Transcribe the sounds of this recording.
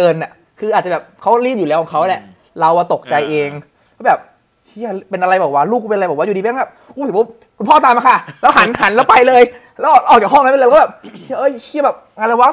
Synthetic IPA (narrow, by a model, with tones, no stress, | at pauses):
ɤː˧nːa˨˩ | kʰɯː˧ʔaː˨˩t̪̚t͡ɕa˨˩bɛː˨˩p̚kʰa˦˥wliː˥˩mjuː˨˩lɛ˦˥wkʰɔː˨˩kʰa˦˥wlɛ˧˩ | la˧waː˧˩t̪o˨˩k̚t͡ɕa˧jʔeː˧ŋʰ | ɛ˧˥bɛː˨˩p̚ | kʰi˧˥˩pe˧nʔa˧ɾa˧jbɛː˨˩waː˦˧˩luː˥˩k̚pe˧n˧jbɛ˨˩wa˧˥˨u˨˩i˧˦˧bɛː˨˩p̚ʔuː˧˩˨si˨˦o˦˥ | kʰu˧npʰɔː˥˩t̪aː˧mːa˧kʰa˥˩lɛː˦˥wɦa˩˦nha˩˦nlɛː˦˥wpa˧jlɤː˧j | lɛː˦˥wʔɔ˨˩ɔ˨˩k̚t͡ɕaː˨˩hɔ˥˩ŋː˧˦˥bɛː˨˩p̚kʰi˧˩ʔɤː˧˥˩jkʰi˦˥˩bɛː˨˩p̚ŋaː˧la˧waː˦˥